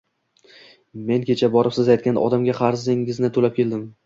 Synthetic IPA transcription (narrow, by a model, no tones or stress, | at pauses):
me̞nkʲʰe̞t͡ʃʰabɒɾɪpsɪzajt̪̚kʲanʔɒ̰d̪amɡʲaqʰɑɾzɪŋɪznɪt̪ʰolap̚kʲe̞ld̪ɪm